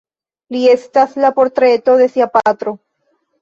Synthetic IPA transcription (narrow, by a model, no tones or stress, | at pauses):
lie̞st̪aslapo̞ɾt̪ɾe̞t̪o̞ðe̞siapat̪ɾo̞